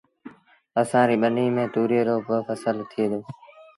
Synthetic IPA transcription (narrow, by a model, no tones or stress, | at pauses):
əsãːɾiːɓəniːmẽːt̪uːɾeːɾoːbəfəsəlt̪ʰɪjeːd̪oː